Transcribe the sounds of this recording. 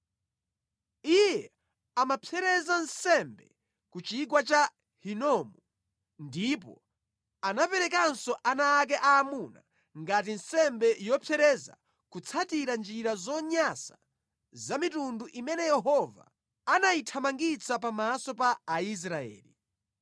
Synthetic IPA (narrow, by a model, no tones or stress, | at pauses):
ijjɛ | amapʰjɛɾɛzansɛmbɛ̰ | kut͡ʃik̬wat͡ʃa | hinɔːmu | ndip̬ɔ̰ | anapɛɾɛkansɔʔanaːk̬ɛʔaːmuna̰ | ŋɡat̬insɛmbɛjɔpʰɛɾɛza̰ | kut͡sʰatiɾand͡ʒiɾazɔɲasa | zamitunduʔimɛnɛjɛɦɔva̰ | anaitʰamaŋɡit͡sʰap̬amasɔpaːis̬ɾaɛ̰ːli